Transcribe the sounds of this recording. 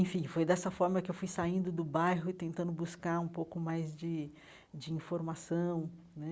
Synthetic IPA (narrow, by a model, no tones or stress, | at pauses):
ẽfĩfojd̪ɛsɐfɔɾmɐkɪewfujsaĩnd̪ʊd̪ʊbajɦʊɪt̪ẽnt̪ɐ̃nd̪ʊbuskaɾũpowkʊmajzd͡ʒɪ | d͡ʒɪĩfoɾmasɐ̃w̃ | nɛ